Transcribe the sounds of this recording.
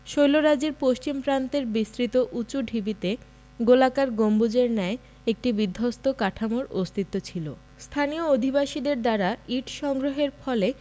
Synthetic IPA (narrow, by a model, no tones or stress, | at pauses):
ʃojloɾad͡ʑeɾpoʃt͡ɕimpɾant̪eɾbist̪ɾit̪oʔut͡ɕuɖʱibit̪e | ɡolakaɾɡombud͡ʑeɾnɛe | ek̚ʈibid̪ʱːost̪okaʈʰamoɾost̪ʰit̪ːot͡ɕʰilo | st̪ʰaniood̪ʱibaʃid̪eɾd̪aɾaiʈʃɔŋɡɾoɦeɾfɔle